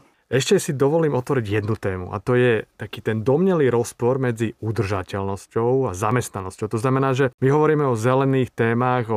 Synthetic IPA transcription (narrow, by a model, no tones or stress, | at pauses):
ɛʃcɛsid̪ɔʋɔliːmɔt̪ʋɔɾiɟjɛd̪nut̪ɛːmṵʔa̰t̪ɔjɛt̪akiːt̪ɛnd̪ɔmɲɛliːɾɔspɔɾmɛd͡ziud̪r̩ʒacɛlnɔscɔʊazamɛst̪nanɔscɔʊt̪ɔznamɛnaːʒɛmiɦɔʋɔɾiːmɛɔzɛlɛniːxt̪ɛːmaɣɔ